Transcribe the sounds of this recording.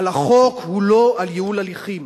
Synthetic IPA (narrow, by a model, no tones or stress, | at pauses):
laχokhuloaljeulaliχim